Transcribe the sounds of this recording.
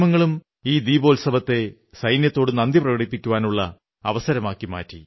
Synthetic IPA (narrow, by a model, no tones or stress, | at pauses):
mɐŋːɐɭum | iːd̪iːbo̞ːlsɐbɐt̪ːe̞ | sɐjnjɐt̪ːoːɽunɐnd̪iprɐɣɐɽipːikʲːuʋaːnuɭːɐ | ɐʋɐsɐɾɐmaːkːima̰ːtːi